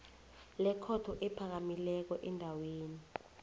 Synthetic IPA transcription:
lɛkʰɔtʰɔʔɛpʰak̬amilɛk̬ɔʔɛndʱaweːni

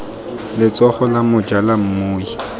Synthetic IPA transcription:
lɪt͡sɔχɔlamʊd͡ʒalam̩moːi

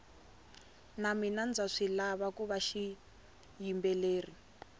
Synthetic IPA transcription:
naminand͡zaʂilaβakuβaʃi | jimbɛleːri

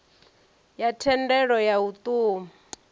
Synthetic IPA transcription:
jatʰɛndɛɺɔjaut̪uːma

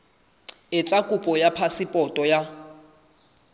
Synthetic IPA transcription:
ɪt͡sʼakʼupʼɔjapʰasipʼɔtʼɔja

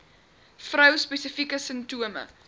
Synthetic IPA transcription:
frəwspɛsəfikəsəmtuəmə̰

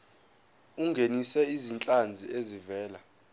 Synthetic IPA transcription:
uŋɡʱenisɛizint͡ɬʼand͡zʱiezivɛːla

